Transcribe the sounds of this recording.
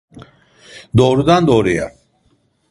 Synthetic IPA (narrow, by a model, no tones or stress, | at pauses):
d̪ɔːɾud̪and̪ɔːɾija̰ɾ